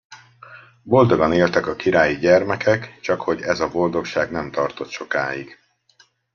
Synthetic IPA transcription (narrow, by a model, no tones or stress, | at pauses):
bo̞ld̪o̞ɡɒneːlt̪ɛkɒkiɾaːjiɟɛrmɛkʰɛkt͡ʃɒkho̞ɟɛzɒbo̞ld̪o̞kʃaːɡnɛmt̪ɒrt̪o̞t̪ʃo̞ka̰ːjiɡ̥